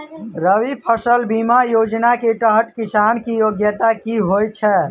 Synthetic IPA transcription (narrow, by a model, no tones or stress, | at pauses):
ɾəwipʰəsəlbimajod͡ʒnakeʈəɦəʈkisankijoɡjət̪akiɦojt͡ʃʰɛ